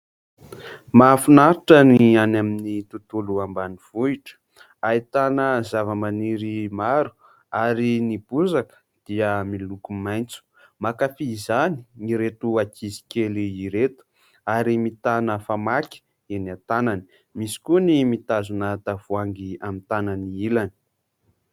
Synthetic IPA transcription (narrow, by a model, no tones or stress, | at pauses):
mafinaɾiʈ͡ʂənianaminit̪ut̪uluambaniv̥uiʈ͡ʂə̥ | ait̪anəzavəmaniɾimaɾu̥ | aɾinib̥uzakə̥ | d̪̥iəmilukumajnt͡su̥ | makafizani̥iɾet̪uakizi̥keliːɾet̪u̥ | aɾimit̪anəfamakʲi̥ | enat̪anani̥ | misi̥kunimit̪azunat̪avuaŋɡiamit̪ananiilani̥